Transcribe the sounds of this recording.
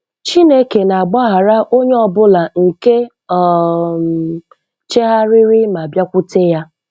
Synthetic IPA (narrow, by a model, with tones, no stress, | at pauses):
t͡ʃi˦ne˦ke˨na˨a˨ɡ͡bɔ˦ɦa˨ɾa˦ʔo˦ɲe˦ɔ˨bʊ˦la˨ŋ̩˨ke˦˨ | t͡ʃe˦ɦa˦ɾɪ˦ɾɪ˦ma˨bja˦kʷʊ˦te˦ja˦